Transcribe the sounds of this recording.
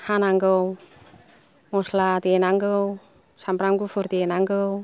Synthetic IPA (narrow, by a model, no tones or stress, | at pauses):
hanaŋɡəw | moslat̪ienaŋɡəw | sampɾaŋɡufurt̪ienaŋɡəw